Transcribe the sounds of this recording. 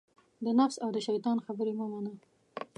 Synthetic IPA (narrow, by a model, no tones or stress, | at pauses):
d̪ənafsawd̪əʃajt̪ɑnxabəɾemomana